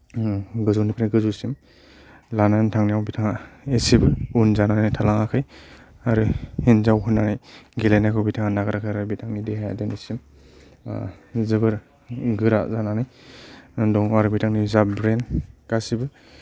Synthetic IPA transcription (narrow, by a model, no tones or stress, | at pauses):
ɡɯzunipʰɾeɡɯzusim | lanantʰaŋnijawbitʰaŋaesibɯunzananajtʰalaŋakʰɯj | aɾɯhinzawhʰunanajɡelajnakʰawbitʰaŋanaɡɯɾakʰajɾaɾbitʰaŋnideɦaja̰denisim | zɯbɯɾ | ɡɯɾazananaj | dɔŋaɾɯbitʰaŋnizabɾenkasibɯ